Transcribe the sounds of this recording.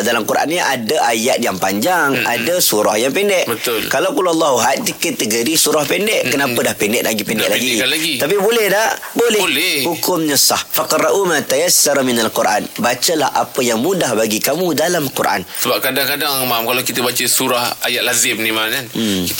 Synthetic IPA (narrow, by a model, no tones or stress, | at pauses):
dalamkuɾʔa̰nɲəʔadaʔajat̪̚jaŋpaɲd͡ʒaŋa̰dəsuɾahjaŋpɛndɛʔbət̪ʊlkalawkulaalːaɦuɦat̪̚tikət̪əɡəɾisuɾahpɛndɛʔkːənapədahpɛndɛʔlaɡipɛndɛ̰ʔlaɡialaɡiapibolɛhdahbolɛlɛhukʊmɲəsahfaqraʔumãt̪ajasːaɾminalkuɾʔa̰nbat͡ʃəlahʔa̰pəjaŋmũdahbaɡikamũdalamkuɾʔa̰nsəbap̚kadaŋkadaŋmamkalakit̪əbat͡ʃəsuɾahajaʔ̪̚lazɪmnimakan